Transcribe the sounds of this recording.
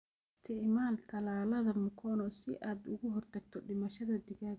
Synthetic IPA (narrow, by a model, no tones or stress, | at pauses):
t̪ʰɪʕmaːnt̪ʰɐlaːlɐðɐmʊkʰɔnɔsɪʔaːd̪ʊɣʊɦɔrt̪ʰɐɡ̚t̪ʰɔɖɪmɐʃɐðɐd̪ɪɣað